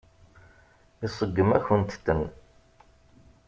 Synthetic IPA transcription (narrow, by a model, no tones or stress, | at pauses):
isˤəɡːəmæçənt̪t̪ːən